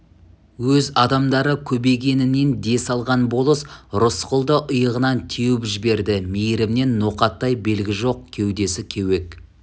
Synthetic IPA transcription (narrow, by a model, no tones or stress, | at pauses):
wɵzɑd̪ɑmd̪ɑɾəkʲʰɵbe̞ɡʲe̞nɪne̞nd̪e̞sɑlˠʁɑnbo̞lˠəsɾʊsqəlˠd̪əʔʊjəʁənɑnt̪ʰewɪpʒɪbe̞ɾd̪ɪmejɾɪmne̞nːoqɑt̪ːɑjbe̞lɡʲɪʒo̞q̚kʲʰewd̪e̞sɪkʲʰewe̞k̚